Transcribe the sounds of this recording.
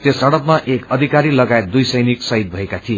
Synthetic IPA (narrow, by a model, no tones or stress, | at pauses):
t̪josʌɽʌpmaʔekʌd̪ʱikaɾilʌɡaet̪̚d̪ujsʌjniksʌjt̪̚bʱʌekat̪ʰie